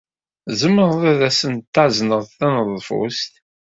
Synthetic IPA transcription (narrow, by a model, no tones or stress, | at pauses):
zəmːəʁðæðæsənt̪ːaʕznəʁðˤθænəðˤfṵst̪